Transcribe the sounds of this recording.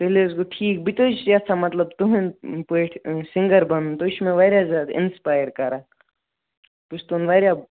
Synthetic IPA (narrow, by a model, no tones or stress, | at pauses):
pɛɦleʊs̬koʈʰiːk̚bit̪ot͡ʃʰzasamɐt̪ləbt̪uɦẽnpeʈʰsɪ̃ŋɡəɾbɐnt̪oʃmẽʋaːɾjazʲjaːd̪ɪ̰nspaːjəɾkɐɾaː | pusʰt̪unʋaːɾja